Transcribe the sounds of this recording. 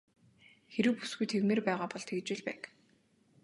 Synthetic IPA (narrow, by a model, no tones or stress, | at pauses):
xeɾɘ̆wpu̥sɡujt̪ʰewmeːrpæːʁaːpɔɮt̪ʰeɣt͡ɕweːɮpæ̰ːk